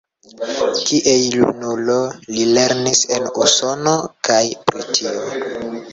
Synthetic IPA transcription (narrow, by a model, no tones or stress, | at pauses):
kiʔejlṵnulo̞lile̞ɾnise̞nṵso̞nokajpɾotʰio